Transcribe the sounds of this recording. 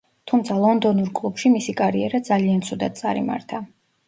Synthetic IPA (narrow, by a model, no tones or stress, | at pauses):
t̪ʰumt̪sʰalˠɔnd̪ɔnuɾkʼlˠupʃimisikʼaɾiɛɾad̪zaliant̪sʰud̪a̰d̪̥̚t̪sʼa̰ɾḭma̰ɾt̪ʰa